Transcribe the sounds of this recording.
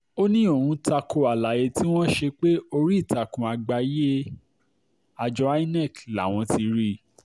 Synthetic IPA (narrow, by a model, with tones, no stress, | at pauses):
o˦nĩ˦o˦˨hũ˧ta˧kʰo˧˨a˨la˨je˧ti˦w̃ɔ̃˦ʃe˧k͡pe˦o˧ɾi˦i˦˨ta˨kũ˨a˨ɡ͡ba˧je˦e˦ | a˧d͡ʒɔ˧˦a˦i˦nɛ˦˨kla˨w̃ɔ̃˧ti˧ɾi˦